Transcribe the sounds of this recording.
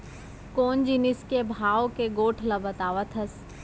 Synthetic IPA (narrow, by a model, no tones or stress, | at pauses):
koːnd͡ʒiːnɪskebʱaːʋokeɡoːʈʰlɐbɐt̪aːʋət̪ʰɐs